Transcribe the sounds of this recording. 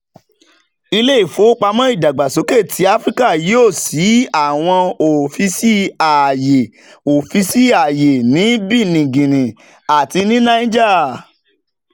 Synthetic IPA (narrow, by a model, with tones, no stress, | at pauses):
i˧le˦i˦˨fo˨˦k͡pa˧mɔ̃˦i˦˨da˨ɡ͡ba˨so˨˦ke˦˨tʰi˨˦a˦fɾi˦ka˦˨jo˦˨si˨˦a˦˨w̃ɔ̃˧o˨fi˧si˦a˨je˨ | o˨fi˧si˦a˨je˨nĩ˨˦bi˦˨nĩ˨ɡĩ˨ɾĩ˨ | a˨ti˧nĩ˦nã˦ĩ˦d͡ʒa˦˨